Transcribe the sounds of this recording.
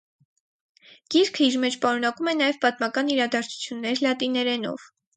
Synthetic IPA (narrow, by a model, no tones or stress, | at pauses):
ɡ̥iɾkʰəiɾmɛt͡ʃʰpɑɾun̪ɑkumɛnɑjɛvpɑt̪mɑkɑniɾɑd̪ɑɾt͡sʰu̥t͡sʰjunːɛɾlɑt̪inɛɾɛnɔ̰v